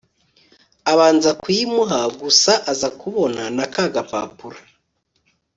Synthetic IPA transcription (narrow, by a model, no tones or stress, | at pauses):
aβaːnzakwimuɦaɡusaʔazakuβo̞nanakaɡapa̰ːpuɾḁ